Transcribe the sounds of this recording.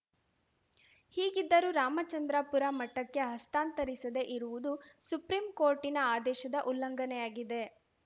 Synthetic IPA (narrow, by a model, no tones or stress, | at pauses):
hiːɡid̪ːɐɾuːɾaːmɐt͡ʃɐnd̪ɾaːpuɾamɐʈːɐkːe̞ɦɐst̪aːnt̪ɐɾisɐd̪e̞ʔiɾuʋud̪usupɾimkoːɾʈinɐaːd̪ɛːʃɐd̪ɐʔulːɐŋɡɐnɛjaːɡid̪e̞